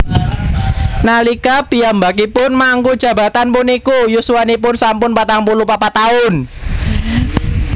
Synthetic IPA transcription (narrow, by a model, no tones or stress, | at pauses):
nalikapiambak̬ipʊnmaŋkud̥ʒ̥ä̤ba̤t̪anpʊnikujusuwanipʊnsampʊnpat̪aŋpulupapat̪aʊn